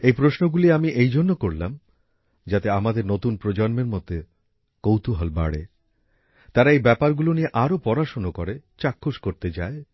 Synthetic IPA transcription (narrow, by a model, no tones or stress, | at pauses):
ejpɾosnoɡuliamiʔejd͡ʑonːokoɾlam | d͡ʑat̪eamad̪eɾnot̪unpɾod͡ʑɔnmeɾmot̪ːe | kowt̪uɦɔlba̰ɽḛ | t̪aɾaejbɛpaɾɡulonieʔaɾopɔɾaʃonokoɾet͡ɕakʰːoʃkoɾt̪ed͡ʑae